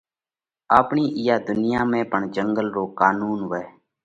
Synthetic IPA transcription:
aːpɳiːʔɪjaːd̪ʊnɪjaːmẽːpəɳd͡ʒəŋɡəlɾoːkaːnuːnʋɛː

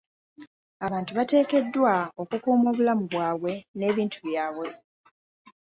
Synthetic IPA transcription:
aβaːntuβate̞ːke̞dːwao̞kukuːmo̞ːβulamuβwaːβwe̞ne̞ːβiːntuβjaːβwe̞

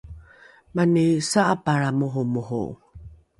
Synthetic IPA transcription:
manisaʔapaɾamuɦumuɦṵ

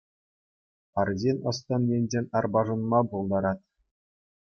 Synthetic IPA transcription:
ɑrzʲenʲɤ̆st̪ɤ̆njʲenʲd͡ʑʲenʲɑrbɑʐɤ̆nmɑbolˠd̪ɑɾɑt̪̚

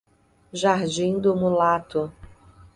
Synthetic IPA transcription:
ʒaɾd͡ʒĩd̪ʊmulat̪ʊ

